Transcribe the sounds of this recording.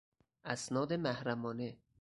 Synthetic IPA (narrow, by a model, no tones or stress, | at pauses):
ʔæsnɒːd̪emæhɾæmɒːne